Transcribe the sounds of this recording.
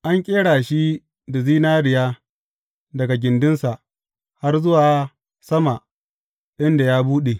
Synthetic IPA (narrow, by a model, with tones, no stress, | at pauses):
ʔa˦ŋkʲʼeː˦ɽaː˨ʃi˦ | da˨ziː˦naː˦ɽɪ˨jaː˦ | dɐ˨ɡa˨ɡʲɪ˨ndʊ˦nsa˨ʔ | ha˦rzʊ˦waː˨˦ | sɐ˦ma˨ | ʔɪ˦nda˨jaː˦buː˦ɗe˨